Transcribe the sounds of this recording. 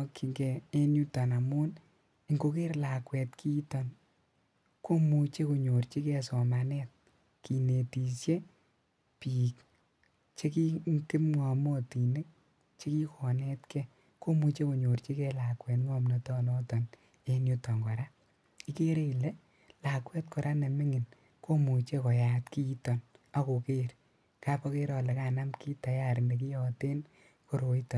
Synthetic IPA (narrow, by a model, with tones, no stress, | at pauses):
ki˨ŋɡɛː˨˦nju˦tɔ˨na˨mʊ˦n | i˨ŋɡo˧ke˦rla˨kwɛ˨tkʰi˦tɔ˨n | ko˦mu˨t͡ʃe˦ko˨ɲo˨rt͡ʃi˦kɛ˧sɔ˨ma˨nɛt̚ | ki˨ne˨ti˨sje˦ | piː˨k | t͡ʃe˦ki˦ŋkɪ˦mŋa˨mo˦ti˨nɪ˦k̚ | t͡ʃe˦ki˦kʰɔ˨nɛ˦tkɛ˦ | ko˦mu˨t͡ʃe˦ko˨ɲo˨rt͡ʃi˦kɛ˦la˨kwɛ˨tŋwɔ˦mnɛ˨tɔ˦nɔ˦tɔ˨n | e˨nju˦tɔ˨ŋɡɔ˨ɾa˦ | i˦ke˦ɾe˦i˨le˦ | la˨kwɛ˦tkɔ˨ɾʔa˦ne˨mɪ˦ŋɪ˨n | ko˦mu˨t͡ʃe˦kɔ˨ja˨tki˦i˦tɔ˨na˨ko˨ke˦ɾ | kapɔ˦ke˦ɾɔ˧le˨ka˨na˦mki˦ta˨ja˦˨ɾnde˨ki˦jɔ˨te˦n | ko˦ɾo˨itɔ˨n